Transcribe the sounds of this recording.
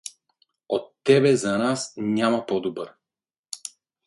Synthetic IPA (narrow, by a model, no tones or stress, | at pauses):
ɔt̪ːɛbɛzanasɲamapɔd̪ubaɾ